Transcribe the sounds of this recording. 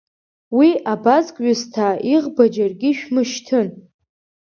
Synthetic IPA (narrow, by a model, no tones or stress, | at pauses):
wiʔabazkʼɥʊztʰaiʁbad͡ʒarɡʲiʃᶣmɨʃtʰɨn